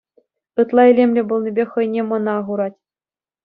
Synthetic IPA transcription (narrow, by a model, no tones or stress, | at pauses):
ɯt̪lˠɑelʲemʲlʲɘ̆bŏlˠnʲibʲeχɤ̆jnʲemɤ̆nɑːʁuɾɑtʲ